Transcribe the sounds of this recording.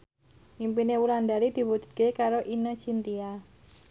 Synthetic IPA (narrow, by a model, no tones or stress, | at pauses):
impineuɾand̪aɾid̪̥i̤wu̥d͡ʒ̥ṳ̥d̪̚kekaɾoʔinət͡ʃint̪ia